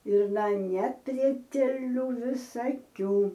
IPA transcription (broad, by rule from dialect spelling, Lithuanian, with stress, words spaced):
ɪr nɐ nʲɛpʲrʲiɛtʲɛˈlʲuː ʋʲɪsɐˈkʲuː